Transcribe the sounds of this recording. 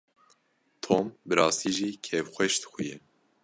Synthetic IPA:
t̪ʰoːmbɨɾɑːst̪iːʒiːkʰɛvxʷɛʃt̪xʷujɛ

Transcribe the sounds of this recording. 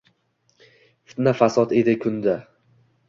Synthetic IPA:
fɪ̥t̪nafasɒd̪e̞d̪ɪkʲʰʊnd̪a

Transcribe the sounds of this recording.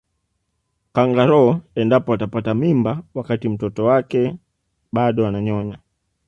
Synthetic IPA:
kaŋɡaɾɔɛndapɔatapatamimbawakatim̩tɔtɔwakɛ | ɓaɗɔanaɲɔɲa

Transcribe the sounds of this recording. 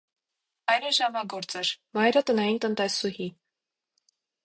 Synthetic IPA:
ɑjɾəʒɑmɑɡɔɾt͡sɛɾmɑjɾət̪ənɑjint̪ənt̪ɛsuhi

